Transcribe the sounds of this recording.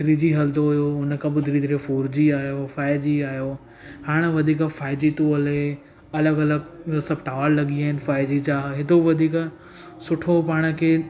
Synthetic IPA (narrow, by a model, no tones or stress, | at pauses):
d̪ɾiːd͡ʑiɦɐld̪oɦʊjoʊnəkʰãbɪd̪ʱɾiːt̪ɾefoːɾd͡ʑiaːjofaːɪd͡ʑiaːjo | haːɽ̃ʋɐd̪ʱiːkfaːɪd͡ʑit̪uəle | ɐləɡɐləɡsɐbʈaːʋəllɐɠiaːɪnfaːɪd͡ʑit͡ɕaːɦɦɪt̪oʋɐd̪ʱiːk | sʊʈʰopaːɽ̃əkʰeː